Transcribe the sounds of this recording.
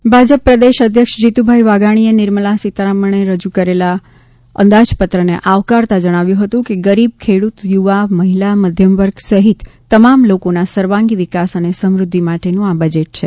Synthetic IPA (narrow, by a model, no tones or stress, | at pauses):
bʱad͡ʒəpːɾəd̪eʃəd̪ʱjəkʂd͡ʒit̪ubʱaiʋaɡaɽ̃ienɪɾməlasit̪ɾaməɳ̃eɾəd͡ʒukəɾela | ə̰̃nd̪ad͡ʒpət̪ɾənḛʔaʋkaɾt̪ad͡ʒəɽ̃aʋjũɦət̪ũkeɡəɾib̚kʰeɽut̪juʋaməɦilaməd̪ʱjəmʋəɾɡsəɦit̪ːəmamlokonasəɾʋãŋɡiʋikasənesəmɾʊd̪ʱːimaʈenũabəd͡ʒeʈ̚t͡ʃʰe